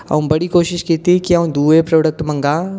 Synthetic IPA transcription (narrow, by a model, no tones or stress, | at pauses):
ɐ̰ũmbɐɽikoːʃɪʃkiːt̪iikiɐũd̪uːepɾɐɽək̚t̪mɐ̃ŋɡaː